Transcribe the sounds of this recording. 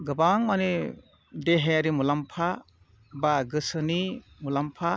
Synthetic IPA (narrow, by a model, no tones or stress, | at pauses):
ɡɯbaŋmani | deɦeaɾimulampʰa | baɡɯsɯni | mulampʰa